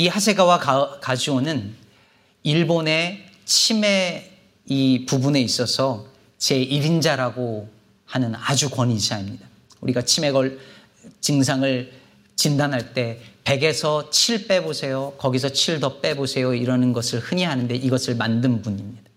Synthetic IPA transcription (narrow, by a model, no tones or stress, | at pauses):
ihasʰe̞ɡawakakad͡ʑionɯn | iɭbone̞ | t͡ɕʰime̞ | ipubune̞is͈ʌsʰʌ | t͡ɕe̞iɾind͡ʑaɾaɡo | hanɯnad͡ʑukwʌɲiɕaimɲida | uɾiɡat͡ɕʰime̞ɡʌɭ | t͡ɕɯŋs̬ʰaŋɯɭ | t͡ɕindanɦaɭt͈e̞pe̞ɡe̞sʰʌt͡ɕʰiɭp͈e̞bosʰe̞jokʌɡisʰʌt͡ɕʰiɭdʌp͈e̞bosʰe̞joiɾʌnɯnɡʌsʰɯɭhɯɲiɦanɯnde̞ʔiɡʌsʰɯɭmandɯnbuɲimɲida